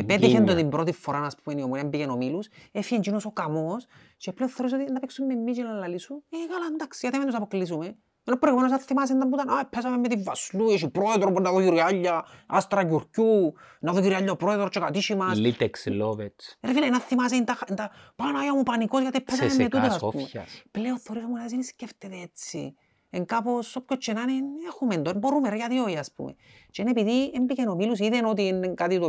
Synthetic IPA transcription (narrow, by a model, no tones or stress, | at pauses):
epet̪içend̪ot̪imbɾot̪ifːoɾanaspumeniomoɾiambijenomilusefiend͡ʒinosokamos | t͡ʃepleoθeoɾis̬ot̪inːapiksumːemːit͡ʃinalːalisunekaland̪aksijat̪iment̪usapoklis̬ume | enopːɾoɣumenos̬naθimas̬end̪ambut̪anajpʰes̬amemːet̪ivːaslueʃipɾoeðoɾponːaðokiɾiaʎːaast̪ɾakuɾcunaðociɾiaʎːapɾoeðoɾot͡ʃekat̪iʃimasit̪ekslovet͡seɾfileinaθːimas̬eint̪axnt̪apanajamupaniko̞sjat̪ipʰːes̬amemːet̪ut̪ossaspumḛpleonθeo̞ɾisomunaðes̬inisceft̪et̪eet͡sːḭ | eŋkaposopçot͡ʃːenanenexumend̪oembo̞ɾumeɾejat̪ioiaspṵmḛt͡ʃenepiðiembikenomilus̬iðenot̪̬ienːeŋkat̪it̪o